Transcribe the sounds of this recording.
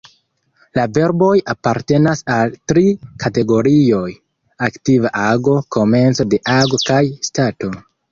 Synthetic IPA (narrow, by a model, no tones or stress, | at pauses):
lave̞ɾbo̞japaɾte̞nasaltɾikate̞ɡo̞ɾio̞j | aktivaʔaɡo̞ko̞me̞nt͡so̞de̞ʔaɡo̞kajstato̞